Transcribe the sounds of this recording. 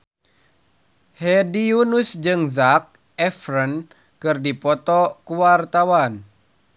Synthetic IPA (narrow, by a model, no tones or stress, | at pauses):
hɛdiunusd͡ʒɨŋzak̚ | ɛfrən | kɨrdipɔt̪ɔkuwart̪awan